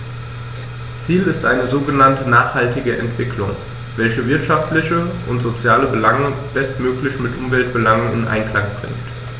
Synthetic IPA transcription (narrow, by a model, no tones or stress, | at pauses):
t͡siːlɪstʔaɪnəzoːɡənantənaːχhaltɪɡəʔɛntv̥ɪklʊŋ | vɛlçəvɪɐtʃaftlɪçəʔʊntz̥ot͡sjaːləbəlaŋəb̥ɛstmøːklɪçmɪtʔʊmvɛlt̚b̥əlaŋənɪ̰nʔa̰ɪnkl̥aŋb̥ʁ̥ɪ̰ŋkt